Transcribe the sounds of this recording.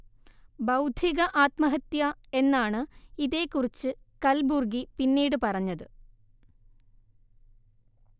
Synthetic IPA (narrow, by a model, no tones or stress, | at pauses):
bɐwd̪ʱiɣɐʔaːt̪mɐɦɐt̪jɐe̞nːaːɳɨiðe̞ːkːurit͡ɕːɨ | kɐlburɡipinːiːɽɨpɐrɐɲːɐðɨ